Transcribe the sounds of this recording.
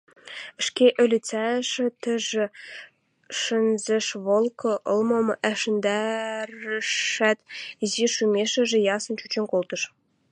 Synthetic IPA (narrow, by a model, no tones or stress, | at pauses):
ɘ̆ʃkʲeʔɵ̆lʲɘ̆t͡sæʃɘ̆t̪ɘ̆ʒɘ̆ | ʃɘ̆nzɘ̆ʃβɤ̆lˠkʰɤ̆ʔɤ̆lˠmɤ̆mʔæʃɘ̆nd̪ærɘ̆æt̪iziʃymʲeʃɘ̆ʒɘ̆jɑsɤ̆nt͡ɕut͡ɕĕnʲkolˠt̪ɤ̆ʃ